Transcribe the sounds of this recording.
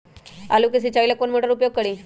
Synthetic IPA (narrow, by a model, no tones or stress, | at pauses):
alukəs̬it͡ɕailakonmoʈəɾupjoɡ̚kəɽiː